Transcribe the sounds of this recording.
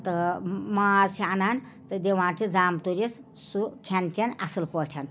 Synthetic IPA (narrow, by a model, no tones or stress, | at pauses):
t̪ɨmaːzt͡ʃʰianaːnʲ | t̪ɨd̪ʲeʋãːnʈʰid͡zaːmt̪uɾis | sukʰantʲʰɐnɐsɨlpɔʈʰan